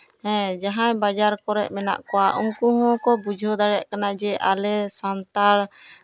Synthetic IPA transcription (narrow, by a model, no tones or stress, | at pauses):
hɛ̃d͡ʒaɦãjbad͡ʒaɾkɔɾɛʔ̚mɛna̰ʔkɔwaʔuŋkuɦɔ̃kɔbud͡ʒʱɔd̪aɽɛʔkanad͡ʒɛʔalɛsant̪aɾ